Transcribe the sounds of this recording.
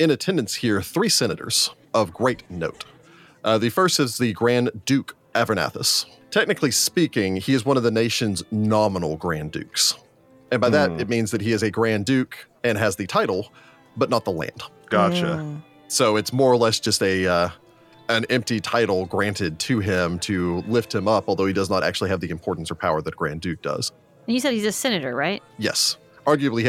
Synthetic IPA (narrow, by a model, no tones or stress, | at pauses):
ɨ̃nɨtʰɛ̃ndɨ̃ntshiɹθɹisɛñɨɾə̰˞z̥ | ʌvɡɹeɪtⁿnoʊt | ʔðɨfɜ˞stɨzðɨɡɹæ̃ndʉk | ʔævə˞næ̰θə̰s | tʰɛk̚nɨklispikɪ̃ŋiɨzwʌ̃ñʌvðɨneɪʃɨ̃nznɑmənl̩ˠɡɹæ̃ndʉ̰ks | ɨ̃nbaɪðɨɾɨt̚mĩnzðɨt̚hiɨzɨɡɹæ̃ndʉk | ɨ̃nɨzðɨtʰaɪɾl̩ˠ | bʌtⁿnət̪̚ðəlæ̰̃nd̥ | ɡ̥ɑʃɨ̰ | soʊɨtsmɔɹə˞lɛsd̥ʒ̥ʌstɨʌ | ɨ̃nɛ̃mp̚titʰaɪɾl̩ˠɡɹæ̃ntɪd̚tʰɨɪ̃mtʰɨlɪft̚hɨ̃mʌpɔlˠðoʊidʌznəɾʔæ̰k̚t͡ʃʉl̩ˠiɨvðiɨ̃mpʰɔɹʔn̩sə̥˞pʰaʊə˞ðɨt̚ɡ̥ɹæ̰̃ndʉk̚d̥ʌ̰z̥ | ɨ̃njɨsɛd̚izɨsɛnɨɾə˞ɹaɪt̚jɛ̰s | ʔɑɹɡjʉɨbli